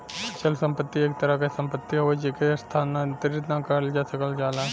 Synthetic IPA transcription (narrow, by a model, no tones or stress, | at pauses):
t͡ʃəlsɐ̃mpət̪ːieːk̚t̪ɐɾakesɐ̃mpət̪ːiɦoed͡ʒekest̪ʰaːnat̪ɾɪt̪nãkəɾld͡ʒasɐkəld͡ʒaːla